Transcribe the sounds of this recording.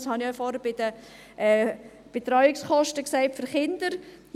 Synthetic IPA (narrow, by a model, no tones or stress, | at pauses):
shɑniɔfɔɾəb̥ɪd̥ə | ʔɛː | b̥etɾɔʏɪksχɔʃtəksæɪtfʏɾχɪndəɾ